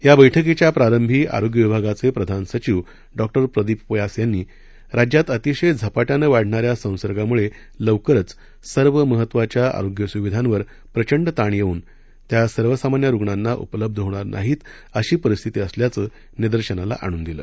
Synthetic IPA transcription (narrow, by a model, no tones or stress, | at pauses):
jabəjʈʰək̬et͡ɕjapɾaɾəmbʱiːʔa̰ɾoɡjəʋibʱaɡat͡sepɾəd̪ʱansət͡ɕiʋ | ɖɔk̚ʈəɾpɾəd̪iːppəjasjanːiː | ɾad͡ʑjat̪ət̪iɕəjd͡zʱapaʈjanəʋaɽ̤ʱɳaɾjasə̃w̃səɾɡamuɭe | ləʋkəɾət͡s | səɾʋəməɦət̪ːʋat͡ɕjaa̰ɾoɡjəsuʋid̪ʱãnʋəɾ | pɾət͡ɕəɳɖt̪aɳjeuːn | t̪jasəɾʋəsamanjaɾuɡɳanːaʔṵpələb̚d̪ʱəɦoɽ̃aɾna̰ɦiːt̪ | əɕiːpəɾist̪ʰit̪iːəsljat͡səː | niɾd̪əɾɕənala̰ʔa̰ɽ̃uːnd̪ilə̰ː